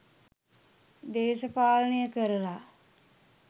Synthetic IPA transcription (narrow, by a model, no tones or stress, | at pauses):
d̪eːʃəpaːlənejəkəɾəla